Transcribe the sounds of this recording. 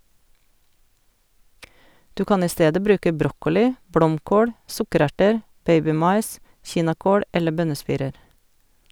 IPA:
ˈdʉː ˈkɑːn ˈiː ˈsteːdə ˈbɾʉːkə ˈbɾɔkɔlɪ ˈblɔmˌkoːɽ ˈsʊkəˌɾæʈəɾ ˈbeɪbɪˌmɑɪs ˈçiːnɑˌkoːl ˈɛlə ˈbœnəˌspiːɾəɾ

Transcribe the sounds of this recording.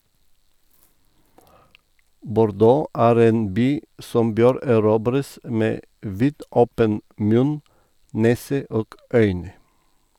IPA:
bʊɾˈdoː ˈʔæːɾ ˈeːn ˈbyː ˈsɔm ˈbøːɾ æˈɾuːbɾəs ˈmeː ˈʋiːdʔɔpən ˈmʉn ˈneːsə ˈʔoːɡ ˈœʏnə

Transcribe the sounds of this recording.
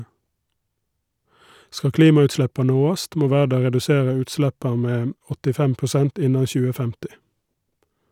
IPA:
ˈskɑ ˈkliːmɑʉtˌʃɭɛpɑ ˈnoːɑst ˈmoː ˈʋæːɖɑ ʁɛdʉˈseːʁə ˈʉːtˌslɛpɑ ˈmeː m ɔtɪˈfɛm pʊˈsɛnt ˈɪnɑ ˈçʉːə ˈfɛmtɪ

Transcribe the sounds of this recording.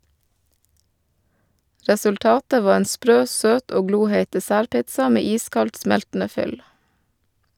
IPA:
ɾɛsʉlˈtɑːtə ˈʋɑː ˈeːn ˈspɾøː ˈsøːt ˈoː ˈɡluːheɪt dɛˈsæːɾˌpɪtsɑ ˈmeː ˈiːskɑlt ˈsmɛltn̩ə ˈfʏl

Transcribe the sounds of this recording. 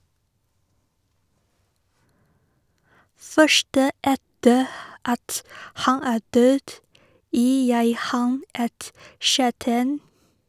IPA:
ˈfœʃʈə ˈɛtə ˈɑt ˈhɑn ˈæː ˈdøːd ˈjiː ˈjæɪ ˈhɑn ˈɛt ˈʃæːʈæɪn

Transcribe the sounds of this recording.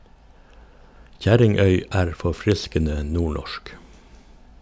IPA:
ˈçæɾɪŋˌœʏ ˈæːɾ fɔˈfɾɪskənə ˈnuːˌɳɔʃk

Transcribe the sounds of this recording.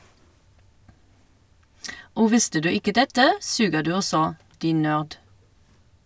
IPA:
ˈoː ˈʋɪstə ˈdʉː ˈɪkə ˈdɛtə ˈsʉːɡəʁ ˈdʉː ˈɔsɔ ˈdiːn ˈnøːʁd

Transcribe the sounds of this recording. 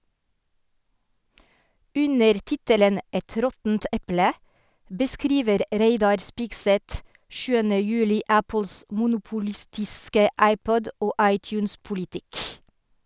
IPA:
ˈʉnəɾ ˈtɪtələn ˈɛt ˈɾɔtn̩t ˈʔɛplə bəˈskɾiːʋəɾ ˈɾeɪdɑɾ ˈspɪɡsɛt ˈʃʉːənə ˈjʉːlɪ ˈæpl̩s mʊnʊpʊˈlɪstɪskə ˈʔæɪˌpɔd ˈoː ˈɑɪˌtjʉːns pʊlɪˈtɪk

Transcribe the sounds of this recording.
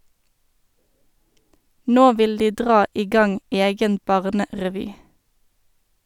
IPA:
ˈnoː ˈʋɪl ˈdiː ˈdʁɑː ˈiː ˈɡɑŋ ˈeːɡən ˈbɑʁnəʁɛˌʋyː

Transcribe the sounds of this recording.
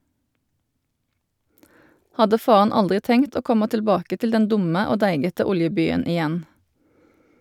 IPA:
ˈhɑdə ˈfɑːɑn ˈɑldʁɪ ˈtɛŋt ˈoː ˈkɔmɑ tɪlˈbɑːkə ˈtɪl ˈdɛn ˈdʊmə ˈoː ˈdæɪɡətə ˈʊljəˌbyːən ɪˈjɛn

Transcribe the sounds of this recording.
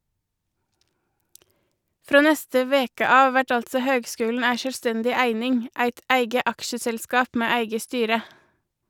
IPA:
ˈfɾoː ˈnɛstə ˈʋeːkə ˈɑːʋ ˈʋæʈ ˈɑltsɔ ˈhøːɡˌskʉːln̩ ˈæɪ ʃœlˈstɛndɪ ˈæɪnɪŋ ˈæɪt ˈæɪɡə ˈʔɑkʃəsɛlˌskɑːp ˈmeː ˈæɪɡə ˈstyːɾə

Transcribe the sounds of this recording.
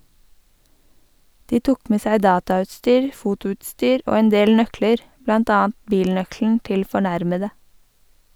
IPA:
ˈdiː ˈtʊk ˈmeː ˈsæɪ ˈdɑːtɑˌʉːtstyːɹ ˈfʊtʊʉːtˌstyːɾ ˈoː ˈeːn ˈdeːl ˈnœkləɾ ˈblɑnt ˈɑːɑn ˈbiːlˌnœkln̩ ˈtɪl fɔˈɳæɾmədə

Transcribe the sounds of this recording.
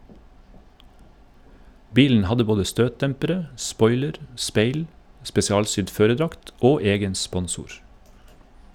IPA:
ˈbiːln̩ ˈhɑdə ˈboːdə ˈstøːtˌdɛmpəɾə ˈspɔʏləɾ ˈspeɪl spɛsɪˈɑːlˌsʏd ˈføːɾəˌdɾɑkt ˈoː ˈeːɡən ˈspɔnˌsuːɾ

